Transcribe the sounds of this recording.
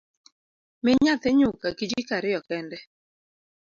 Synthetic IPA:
mɪɲat̪ɪɲʊkakid͡ʒikaɾɪɔkɛndɛ

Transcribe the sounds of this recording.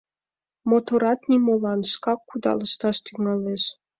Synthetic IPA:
mot̪oɾɑt̪nimolɑnʃkɑkːud̪ɑ̰ləʃt̪ɑʃt̪yŋɑleʃ

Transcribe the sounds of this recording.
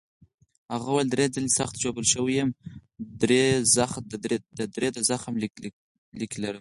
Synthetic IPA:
haɣawald̪ɾed͡zəlesaxt̪ʒobəlʃəwijəmd̪ɾezax̚d̪əd̪ɾed̪azaxaml | liklaɾə

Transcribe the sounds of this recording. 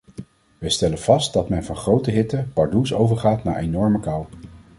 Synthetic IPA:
ʋəjstɛlənv̥ɑst̚dɑtmɛnvɑnχrowtəɦɪtəpɑɹdusowvəɹχaːtna̰ːɹʔejnɔɹməkɑw

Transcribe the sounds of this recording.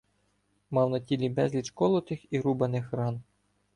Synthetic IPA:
mɑwnɐtʲilʲibɛzʲlʲit͡ʃkɔlˠɔt̪ɪxiɾubɐnɪxrɑn

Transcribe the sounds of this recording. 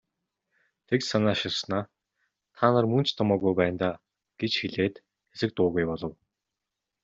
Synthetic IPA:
t̪ʰeksanaːʃɪrsnaː | t̪ʰaːnə̆rmɵn̥t͡ɕt̪ʰɔmɔːɣujpæːnt̪aː | ɡ̥et͡ɕxiɮeːt̪ | xesɘ̆k̚t̪ʊːɣujpɔɮɞ̆w

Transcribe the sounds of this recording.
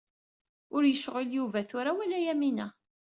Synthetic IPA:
ʊɾjəʃʁəljuvæθʊɾawælæjæminæ

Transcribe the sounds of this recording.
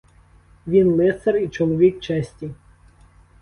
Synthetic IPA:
ʋʲinlˠɪsɐrit͡ʃɔlˠɔʋʲik̚t͡ʃɛsʲtʲi

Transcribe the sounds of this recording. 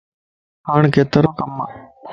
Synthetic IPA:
ɦaːɳkʰeːt̪əɾõːkəmːa

